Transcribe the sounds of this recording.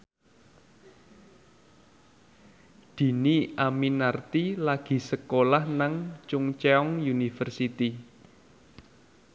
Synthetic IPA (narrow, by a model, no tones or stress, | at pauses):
d̪̥i̤niʔaminart̪ilaɡ̥i̤səkolahnaŋt͡ʃʊŋt͡ʃeɔŋjunifərsit̪i